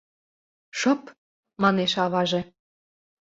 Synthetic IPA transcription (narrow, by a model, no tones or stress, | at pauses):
ʃɤ̆p | mɑneʃɑβɑʒe